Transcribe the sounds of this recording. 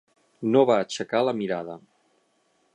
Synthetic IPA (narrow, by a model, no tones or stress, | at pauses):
noβaːt͡ʃəkaləmiɾaðə